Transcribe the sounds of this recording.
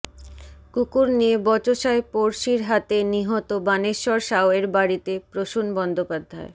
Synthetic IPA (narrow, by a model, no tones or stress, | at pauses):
kukuɾniebɔt͡ɕoʃaepoɾʃiɾɦat̪eniɦɔt̪obaneʃɔɾʃaoeɾbaɾit̪epɾoʃunbɔnd̪opad̪ʱːae